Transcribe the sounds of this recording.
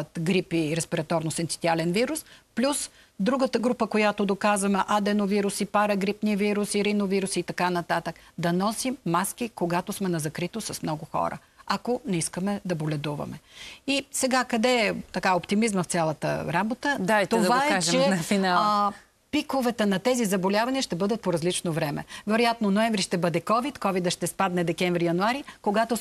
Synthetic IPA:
t̪ɡɾipiɾɛspiɾɐt̪ɔɾnʊsɛnt̪i̥t̪ialɛnviɾusplʲus | d̪ɾuɡət̪əɡɾupəkojat̪ʊd̪okazvɐmɛʔad̪ɛnoviɾusipaɾəɡɾipniəviɾusiɾinoviɾusit̪ɐkanɐt̪at̪əkd̪ɐnɔsimːaskikoɡat̪ʊsmɛnɐzɐkɾit̪osɐsmnɔɡʊxɔ̰ɾə̰ | akonɛiskəmɛd̪ɐbolʲɛd̪uvɐ̰mɛisɛɡakɐd̪ɛt̪ɐkaopt̪imizməft̪sʲjalˠɐt̪ə̰ɾabot̪əd̪at̪od̪vaɛat͡ʃɛɛnɐfina | pikovɛt̪ɛnɐt̪ɛzizɐbolʲavɐniəʃt̪ɛbɤd̪ət̪̚poɾɐzlit͡ʃnovɾɛmɛ̰vɛɾojat̪nonoɛɱvɾiʃt̪ɛbɤd̪ɛkɔvit̪kɔvid̪əʃt̪ɛspad̪nɛd̪ɛkɛɱvɾijɐnʊaɾikoɡat̪o

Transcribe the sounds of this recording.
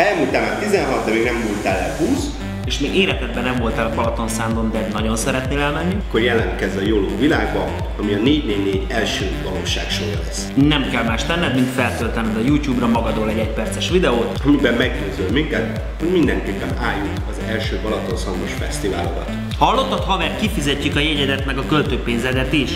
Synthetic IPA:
ɛɛmːult̪aːlmaːɾt̪izɛnɦɒt̪deɾiɡnɛmːult̪aːlɛ̰huːs | eːʃmeːɡeːɾɛt̪ɛd̪̚bɛnɛɱvo̞lt̪aːlɒkɒlɒt̪o̞nsaːnd̪o̞nd̪ɛnɒɟo̞nsɛɾɛt̪neːlɛlmɛnːikːorjɛlɛnkɛzɛjoloːvilaːɡbɒ | ɒmiɒneːɟneːɟneːɟɛlʃøːvɒloːʃaːkʃorjɒlɛsːnɛmkɛlmaːʃlɛnːɛd̪mint̪fɛlt̪ølt̪ɛnːɛd̪ɒjuːcjuːbrɒmɒɡɒd̪oːlɛɟɛcpɛrt̪sɛʃʋid̪ɛoːt̪ɒmibɛmmɛɡɟøːzølmiŋkɛt̪ | ho̞ɟmind̪ɛŋkeːpːɛnaːjːukɒzɛlʃøːpɒlɒt̪o̞nsɒnd̪oʃfɛ̰st̪iva̰ːlokɒ̰t̪ | hɒlːo̞t̪ːɒt̪hɒvɛrt̪̚kifizɛcːykɒjɛɟɛd̪ɛt̪mɛɡɒkølt̪øːpeːnzɛd̪ɛt̪iʃ

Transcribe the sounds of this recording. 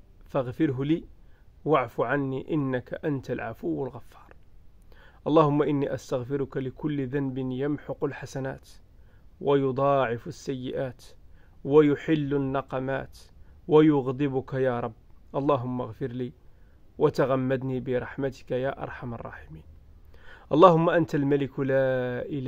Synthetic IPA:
faɣfɪɾɦliːwaʕfuʕanːiʔɪnːaka̰ʔant̪alʕa̰fʊwːalɣafːɑ̥ːɾˤ | ʔɑlˤːɑːhʊmːaʔɪnːiʔast̪aɣfɪɾʊkalɪkʊlːðanbɪnjamħʊqʊlħasana̰ːt̪ | wajʊd̪ˤɑːʕɪfasːæjːɪ̰ʔaːt̪wajʊħɪlːanːɑqɑma̰ːt̪wajʊɣd̪ˤɪbʊkajaːɾˤɑbːʔɑlˤːɑːɦʊmːaɣfɪɾli | wat̪aɣamːad̪niːbɪɾˤɑħmat̪ɪ̥kajaːʔɑ̰ɾˤħamɑ̰rˤːɑ̰ːħɪmiːn | ʔɑlˤːɑːhʊmːaʔant̪almælɪklaːʔɪl

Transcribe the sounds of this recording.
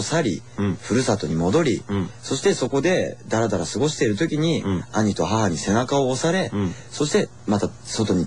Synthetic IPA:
saɾʲi | ɸɯ̟ɾɯ̟sat̪o̞ɲ̟imo̞d̪o̞ɾʲiso̞ɕi̥t̪e̞so̞ko̞d̪e̞d̪aɾad̪aɾasɨɡo̞ɕi̥t̪e̞iɾɯ̟t̪o̞kʲiɲ̟iaɲ̟it̪o̞ɦaɦaɲ̟ise̞nakao̞ːsaɾe̞ | so̞ɕi̥t̪e̞ | mat̪aso̞t̪o̞ɲ̟i

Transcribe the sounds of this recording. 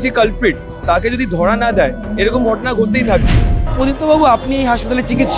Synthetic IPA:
t͡ʃikɐlpɾɪʈ̚ | t̪aːked͡ʒoːd̪id̪ʱɔːɽanad̪aːe | eːɾekomʱɔːʈnaɡʱot̪eit̪ʰak̪iod̪it̪obabuapniɦaːʃpɐət̪aːlet͡ʃɪkɪt̪ʃ

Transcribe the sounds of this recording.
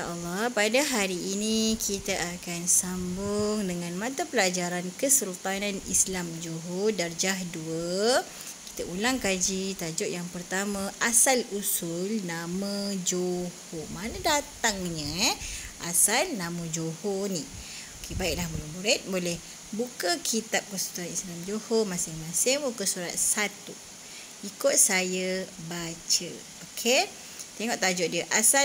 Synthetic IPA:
a̰ʔalːɑpadaɦaɾiːnĩkʰit̪aʔakansambʊŋdəŋãnmãt̪apəlad͡ʒaɾankəsulult̪ananḭslamd͡ʒoɦodard͡ʒaɦduə | ki̥t̪aulaŋkad͡ʒit̪ad͡ʒʊʔjaŋpərt̪amə̃ʔasalusʊlnamə̃d͡ʒohomanãdat̪aŋɲə̃ɛʔasalnamə̃d͡ʒohɔni | okebaiʔ̚lahməlumbuɾɛt̪̚bolɛh | bukəkʰit̪ap̚kəsu̥t̪uanislamd͡ʒohomasɪŋmãsɪŋbukəsuɾat̪̚sat̪u | ikʊt̪̚sajəbat͡ʃə | okʰe | t̪eŋɔʔt̪ad͡ʒɔʔ̚diəʔasa

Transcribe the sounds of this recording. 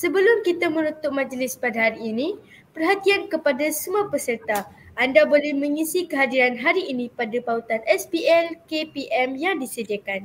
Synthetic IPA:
səbəlʊmkit̪amənũt̪ʊʔ̚mãd͡ʒlɪspadaɦaɾiːnĩ | pərɦat̪iankəpadasəmuapəsərt̪a | ʔandabolɛhmə̃ŋisikəɦadiɾanɦaɾiːnĩpadapaut̪anʔɛspiʔɛlkepiʔɛmjaŋdisədiakan

